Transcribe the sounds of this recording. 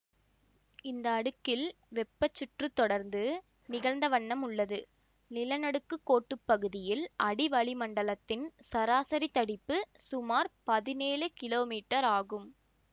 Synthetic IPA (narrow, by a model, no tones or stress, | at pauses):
ɪnd̪ɐːɽɯkːɪl | ʋɛpːɐt͡ʃːʊʈrɯt̪ːɔɽɐɾnd̪ɯ | nɪɣɐlnd̪ɐʋɐɳːɐmʊɭːɐðɯ | nɪlɐnɐɽɯkːɯkːoːʈːɯpːɐɣɯðɪjɪlʔɐɽɪʋɐɭɪmɐɳɖɐlɐt̪ːɪnsɐɾaːsɐɾit̪ːɐɽɪpːɯsʊmaːɾpɐðɪneːlɯkɪloːmiːʈːɐɾaːɣɯm